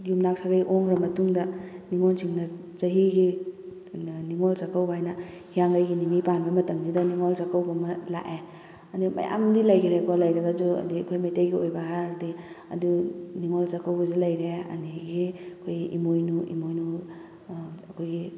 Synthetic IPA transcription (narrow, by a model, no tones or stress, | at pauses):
jumnak̚saɡajʔoŋɾɐmɐtuŋdɐniŋɔnsʰiŋnɐ | zɐɦiɡi | niŋolsakːawbajnɐ | hijaŋɡajɡiniŋipanbɐmɐtɐŋdidɐniŋɔlt͡ʃakawɡɐmɐla̰ʔe | ɐdimɐ̰ja̰mdilɐjɡiɾekɔlɐjɾɐɡɐzuɐ̰diɐkʰojmajtejɡiojbɐɦaɾdiɐ̰duniŋɔlsɐkawbɐzulɐjɾeɐ̰niɡiɐkʰojɡiʔimojnuʔḭmojnu | ɐkʰojɡi